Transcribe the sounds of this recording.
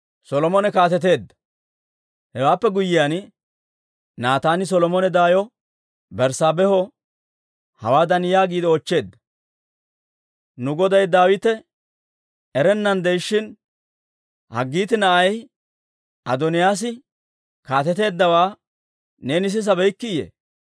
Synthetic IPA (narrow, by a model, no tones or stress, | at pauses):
sɔlɔmɔnɛkaːt̪ɛt̪̬e̞ːd̪ːɐ̥ | hɛwaːpːɛɡʊjːɪjaːn | naːt̪aːnɪs̬ɔlɔmɔnɛd̪aːjɔ | bɛɾsaːbɛhɔ | hɐwaːd̪ɐnjaːɡiːd̪ɛɔt͡ʃːe̞ːd̪ːɐ̥ | nʊɡɔd̪ɐjd̪aːwɪt̪ɛ | ɛɾɛnːɐnd̪ɛjʃːɪn | hɐ̰ɡːiːt̪ɪnɐʔɐj | ʔɐd̪ɔnɪjaːs̬ɪ | kaːt̪ɛt̪e̞ːd̪ːɐwaː | ne̞ːnɪs̬ɪs̬ɐbɛjkːɪjḛː